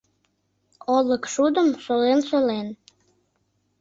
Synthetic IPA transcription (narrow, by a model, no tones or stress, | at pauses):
oləkʃud̪əmsolensolen